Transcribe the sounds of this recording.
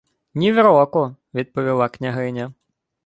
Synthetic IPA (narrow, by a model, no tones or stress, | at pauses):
nʲiʋɾɔkɔ | ʋʲid̪̚pɔʋʲilˠɑknʲɐɦɪnʲɐ